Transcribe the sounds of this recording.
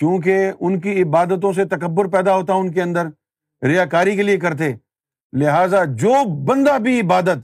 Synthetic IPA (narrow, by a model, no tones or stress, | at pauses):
kjũːk̬eʊnk̬iɪbaːd̪ət̪̬õs̬et̪ɐkəbːʊɾpɛːd̪aɦoːt̪aʊnk̬eɐ̃nd̪əɾ | ɾɪjaːkaːɾikeliekɐɾt̪̬eː | lɪɦaːzad͡ʒoːbɐ̃nd̪abʱiɪbaːd̪ət̪